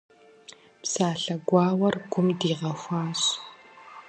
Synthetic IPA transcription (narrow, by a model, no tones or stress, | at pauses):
psaːɬɐɡʷɑːwɐrɡʷʊmdiːʁɐxʷaːɕ